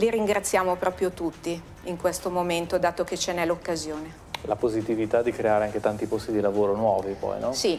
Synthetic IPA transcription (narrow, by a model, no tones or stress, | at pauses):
liɾiŋɡɾat̪sːjaːmopɾɔːpɾjot̪ut̪ːi | iŋkwest̪omoment̪od̪aːt̪oket͡ʃːenɛlokːazjoːne | lapozit̪ivit̪ad̪ikɾeaːɾeaŋk̟et̪ant̪ipost̪id̪ilavoːɾonwɔːvipɔ̰jnɔsi